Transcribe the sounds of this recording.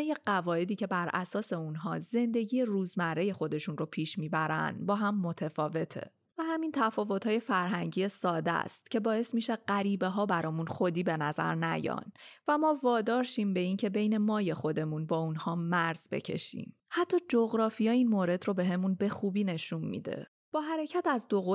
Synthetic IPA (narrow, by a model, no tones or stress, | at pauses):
ejeɢævɒːe̞d̪iːcʰe̞bæɾʔæ̰sɒːse̞unɦɒ̰ːze̞nd̪e̞ɟiːje̞ruːzmæɾːe̞je̞xo̞d̪e̞ʃunropʰiːʃmiːbæɾæ̰nd̪bɒːɦæmːo̞t̪ʰefɒːve̞t̪ʰḛ | væhæmint̪ʰæfɒːvo̞t̪ʰhɒːje̞fæɾɦæɲɟiːesɒːd̪æ̰st̪cʰe̞bɒːe̞smiʃeɢæɾiːbe̞ɦɒːbæɾɒːmunxo̞d̪iːbe̞næzæ̰ɾnæ̰jɒ̰ːnvæmɒːvɒːd̪ɒːɾʃiːmbe̞iːncʰe̞be̞jne̞mɒːje̞xo̞d̪e̞munbɒːunhɒːmæɾz̥be̞̰cʰe̞̰ʃḭm | hæt̪ʰːɒːd͡ʒoɣɾɒːfijɒːiːnmoɾe̞d̪ro̞be̞ɦe̞munbe̞xuːbiːne̞ʃunmḭd̪e̞̰ | b̥ɒːɦæɾe̞cʰæt̪æzd̪oɣo